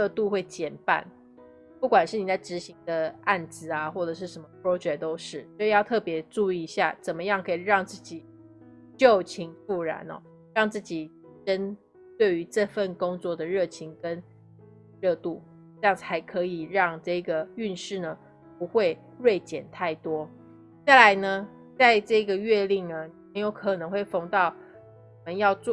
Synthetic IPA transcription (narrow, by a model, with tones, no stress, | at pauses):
ɻɤ˥˧t̪u˥˧xwe˥˩ɪt͡ɕjɛ˨˩npa̰˥˩n | pu˥˩kwa˨˩nʂɻ̩˥˩ni˨˩la˥˩ʈ͡ʂɻ̩˧˥ɕi˧˥ŋd̪ə˧a˥˩nt͡sɹ̩˨˦a˨xwɔ˥˩ʈ͡ʂɤ˨˩ʂ̬ɻ̩˥˩ʂə˧˥nmə˧pʰɹo˥ʊt͡ɕɥɛ˧˩t̪o˥ʊʂɻ̩˥˩so˥˧˥jɑ˥˧ʊt̪ʰɤ˥˩pjɛ˧˥ʈ͡ʂu˥˧i˨˧˦ɕja̰˥˩t͡sə˨˩nmə˦jɑ˥˩ŋkʰɤ˧˥i˨˩ɻɑ˥˧ŋt͡sɹ̩˥˩t͡ɕi˨˩ | t͡ɕjo˥˨˩t͡ɕʰi˧˥ŋfu˥˩ɻa̰˧˥nɔ̰˨˩˦ | ɻɑ˥˧ŋt͡sɹ̩˥˩t͡ɕi˨˩ | ʈ͡ʂə˦n | t̪we˥˩ɪy˧˥ʈ͡ʂə˥˧fə˥˩nkʊ˥ŋt͡swɔ˥˩d̪ə˩ɻɤ˥˩t͡ɕʰi˧˥ŋkə˦n | ɻɤ˥˧t̪u˥˩ | ɤ˥˧jɑ˥˩ŋ̩˨˩ha˧˥ɪkʰɤ˧˥i˨˩ɻɑ˥˧ŋʈ͡ʂɤ˥˩i˧˥ɡə˩y˥˧nʂɻ̩˥˩nə˩ | pu˧˥xwe˥˧ɪ | ɻwe˥˩ɪt͡ɕjɛ̰˨˩nt̪ʰa˥˩ɪt̪wɔ˥ | a˥˩ɪla˧˦ɪnə˧ | t͡sa˥˧ɪʈ͡ʂɤ˥˩i˧˥ɡə˨ɥɛ˥˧li˥˩ŋnə˩me˧˥ɪjo˧˥ʊkʰɤ˨˩nɤ˧˥ŋxwe˥˩ɪfo˥˧ŋt̪ɑ˥˨ʊ˨ | mə˦njɑ˥˧ʊt͡s